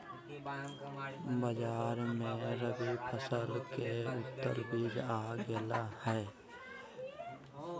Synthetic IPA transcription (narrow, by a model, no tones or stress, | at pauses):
bəd͡ʒaːɾmẽɾəbipʰəsəlkeʊt̪ːə̰lbiːd͡ʒaːɡɪlahɛː